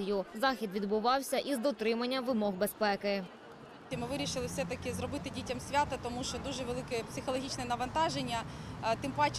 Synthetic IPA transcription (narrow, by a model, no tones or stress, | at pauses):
jʊzɑxʲid̪ʋʲid̪bʊʋɑwsʲɐʔizd̪ɔt̪ɾɪmɐnʲːɐʋɪmɔɣbe̞spɛkɪ | imɪʋɪɾʲiʃɪlˠɪwfsɛt̪ɐkɪzɾɔbɪt̪ɪdʲitʲɐmsʲʋʲat̪ɐt̪ɔmuʃt͡ʃɔd̪uʒɛʋelˠɪkɛpsɪxɔlˠɔɦʲit͡ʃnɛnɐʋɐnt̪ɑʒenʲːɐt̪ɪmpat͡ʃ